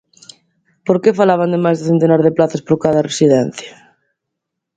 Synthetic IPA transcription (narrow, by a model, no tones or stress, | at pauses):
poɾkefalaβ̞and̪emajzðɪθent̪enaɾðeplaθaspoɾkaðɐresiðɛn̟θjɐ